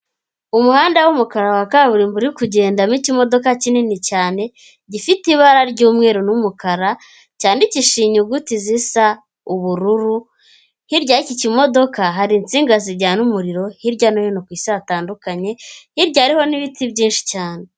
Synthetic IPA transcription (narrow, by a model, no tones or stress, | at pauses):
umuhaːndawumukaɾawakaβuɾiːmbuɾikuɟe̞ːndamicimo̞do̞kacininicaːne̞ | ɟifitiβaɾaɾɟuːmŋe̞ːɾonumukaɾa | caːndiciʃiːɲuɡutizisa | uβuɾuɾu | hiɾɟaicicimo̞do̞kaɦaɾint͡siːŋɡaziɾɟaːnumuɾiɾo̞hiɾɟanojonokwiːsataːndukaɲe̞hiɾɟaːɾiho̞niβitibɟiːnʃi̥caːne̞